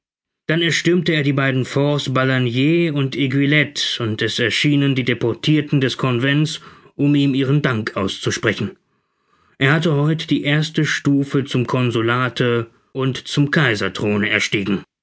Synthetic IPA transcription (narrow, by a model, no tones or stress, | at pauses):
d̥anɛɐʃtʏmtəeːɐdiːbaɪdn̩fɔɐsb̥alanjeːʊnteɡwilɛtʊntɛsɛɐʃiːnəndiːdepɔɐtʰiːɐtn̩dɛskʰɔnvɛnt͡s | ʔʊmiːmiːʁ̞əndaŋkʔaʊst͡suʃpʁ̥ɛçn̩ | ʔeːɐhatəhɔʏtə̥d̥iːʔeːɐstəʃtuːfət͡sʊmkʰɔnzolaːtʰə | ʊntt͡sʊmkʰaɪzɐtʁ̥oːnəɛɐʃtiːɡŋ̩